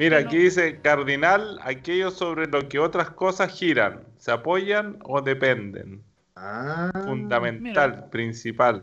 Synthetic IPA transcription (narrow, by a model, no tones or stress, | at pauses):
miɾakeðisekaɾðinala̰keʝosoβɾelokeot̪ɾaskosasxiɾa̰nseapoʝanoðepend̪ḛn | afund̪amẽnt̪alpɾinsipal